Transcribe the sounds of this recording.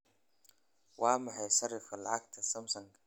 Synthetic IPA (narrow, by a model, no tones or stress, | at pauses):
wɑːmɑħɑjʃɐrɪfkʰɐlɑ̰ʕɑɡt̪ʰɐsɐmsɐŋkʰɐ̥